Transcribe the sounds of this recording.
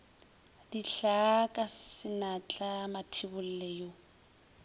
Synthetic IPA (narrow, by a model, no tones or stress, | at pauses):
diɬakʼasɪnat͡ɬʼamatʰibʊl̩lɛːjo